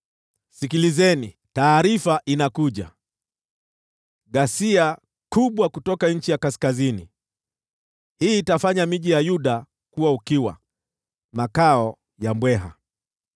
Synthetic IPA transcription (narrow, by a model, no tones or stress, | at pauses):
sikilizɛni | taːɾifaʔinakuʄa̰ | ɠasia | kuɓwakutɔkaɲ̩t͡ʃijakaskazinḭ | hiːtafaɲamiʄijajuɗa | kuwaukiwa̰ | makaɔ | jambwɛɦa̰